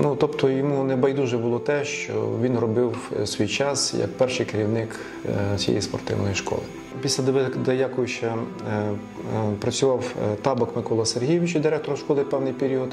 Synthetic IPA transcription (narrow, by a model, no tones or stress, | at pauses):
nut̪ɔpt̪ʰɔjɔmunɛbɐjd̪uʒɛbʊlˠɔt̪ɛʃt͡ʃɔ̰ʋʲinrɔbɪwsʲʋʲijt͡ʃɑsjɐ̰kpɛrʃɪjkeɾʲiwnɪk | sʲjḛjḭspɔ̰rt̪ɪ̰wnɔjiʃkɔ̰lˠɪ̰ | pʲisʲlʲɐd̪d̪ɐjakɔjʊʃɐ | pɾɐt͡sʲʊʋɑwt̪ɑbɐkmɪkɔlˠɐserɦʲijʋʲɪt͡ʃɐd̪ʲɪɾɛk̚t̪ɔɾɐʃkɔlˠɪpɛwnɪjpʲeɾʲiɔd̪